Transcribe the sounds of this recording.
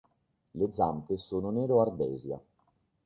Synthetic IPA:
led̪zampesoːnonɛːɾoard̪ɛ̰ːzja̰

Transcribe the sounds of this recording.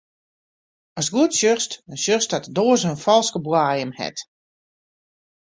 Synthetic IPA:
ɔsɡuətsjøχstəsjøstatdoːəsənfɔlˠskəbwaːjəmhɛ̰t

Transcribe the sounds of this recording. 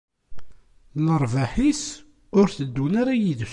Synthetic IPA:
ləɾˤvaħis | ʊɾθəd̪ːunaɾajiðs

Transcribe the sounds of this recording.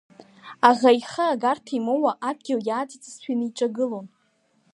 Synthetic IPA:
aʁaiχəaɡartʰimowaʔab̚ɡʲɪljaːtʼit͡sʼsħᶣinɨiʈ͡ʂʼaɡɨlon

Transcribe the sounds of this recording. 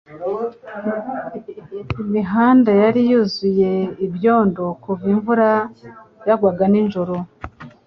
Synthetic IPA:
imiɦaːndajaɾijuzuje̞ibjo̞ːndo̞kuviɱvuɾa | jaɡwaɡaninʒoɾo

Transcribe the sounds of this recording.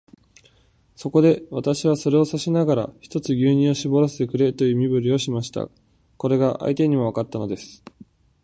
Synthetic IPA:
so̞ko̞d̪e̞βat̪aɕiβ̞aso̞ɾe̞o̞saɕinaɡaɾa̰çi̥t̪o̞t͡sɨɡʲɨːɲ̟ĩo̞ɕibo̞ɾose̥t̪ekɯ̟ɾe̞t̪o̞jɯ̟ːmʲibɯ̟ɾʲio̞ɕimaɕi̥t̪a̰ | ko̞ɾe̞ɡaʔa̰it̪e̞ɲ̟imo̞βakat̪ːano̞d̪e̞sɨ̥

